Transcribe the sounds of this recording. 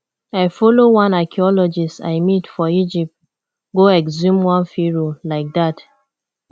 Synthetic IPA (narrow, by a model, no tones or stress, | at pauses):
aɪfɔlowãnakʰiɔlɔd͡ʒista̰ɪmitfɔid͡ʒip̚t̚ | ɡoɛkzũmwãnfiɹolaɪk̚dat